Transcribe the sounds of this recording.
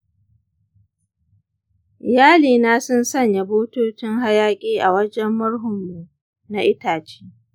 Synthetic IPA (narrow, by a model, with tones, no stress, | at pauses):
jaː˦liː˨naː˦sʊ˦nsɐ˦˨ɲja˨boː˦toː˦t͡ʃɪ˦ŋɦa˦jaː˦kʲʼeː˦ʔa̰˨wɐ˦d͡ʒɛ˦mːʊ˦ɽɦʊ˨mːu˨ʔ | na˨ʔɪ˦taː˨t͡ʃi̥ː˦